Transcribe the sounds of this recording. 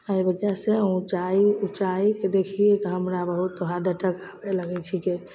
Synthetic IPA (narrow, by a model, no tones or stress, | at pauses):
əibəd͡ʒaseũt͡ʃaiut͡ʃaiked̪ekʰiekɦəmɾabəɦut̪ːoɦad̪ʱəʈəkabɛləɡɛt͡ʃʰiki